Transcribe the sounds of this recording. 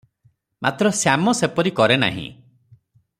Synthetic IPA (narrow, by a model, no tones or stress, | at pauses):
mat̪ɾɔsjamɔsepɔɾikɔɾena̰ɦḭ̃